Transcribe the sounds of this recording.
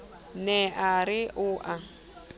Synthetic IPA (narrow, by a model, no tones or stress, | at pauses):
nɛʔaɾɪʔʊʔa